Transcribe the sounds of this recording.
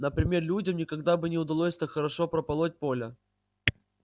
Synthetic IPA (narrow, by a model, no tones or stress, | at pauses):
nəpɾʲɪmʲe̞rlʲudʲəmnʲɪkɐɡd̪abɨnʲɪʊd̪ɐlˠosʲt̪axəɾɐʂopɾəpɐlˠot̚ʲpo̞lʲə